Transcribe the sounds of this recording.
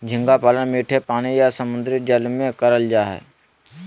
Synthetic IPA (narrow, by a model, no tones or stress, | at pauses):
d͡ʒʱɪ̃ŋɡaːpaːlənmiːʈʰepaːɽ̃ijaːsəmʊ̃nd̪ɾɪt̪̚d͡ʒəlmẽkəɾəld͡ʒaːɦɛ̰ː